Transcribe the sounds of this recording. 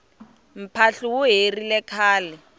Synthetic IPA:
m̩pʰaɬuwʊɦerilɛkʰaːlɛ

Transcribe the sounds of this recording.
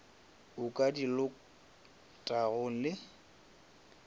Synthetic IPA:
ʊkʼadilʊ | tʼaɣʊlɪ

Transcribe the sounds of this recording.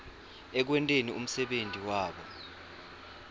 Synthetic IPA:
ɛk̬wɛntʼenium̩sɛɓentʼiwaːɓɔ̰

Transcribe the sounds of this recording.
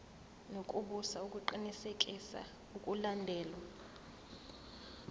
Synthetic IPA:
nokʼuɓusaukʼuǃinisekʼisa̰ | ukʼulandʱɛːlwa

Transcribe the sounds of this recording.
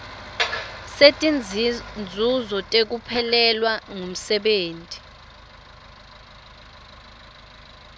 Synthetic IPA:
setʼind͡zʱuzɔtʼek̬upʰɛlɛlwaŋum̩sɛɓeːntʼi̥

